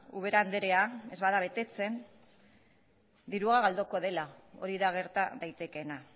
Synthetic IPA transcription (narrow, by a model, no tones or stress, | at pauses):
uβ̞e̞ɾaːnd̪eɾe̞ae̞zβaðaβ̞e̞t̪e̞t͡se̞n | d̪iɾuɣaɣald̪oko̞ðe̞lao̞ɾiðaɣ̞e̞ɾt̪aðajt̪e̞ke̞na